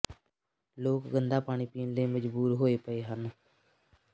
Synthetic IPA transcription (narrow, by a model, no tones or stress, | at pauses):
loːkɡənd̪aːpaːɽ̃iːpiːnleːməd͡ʒbuːɾɦoːepəeːɦən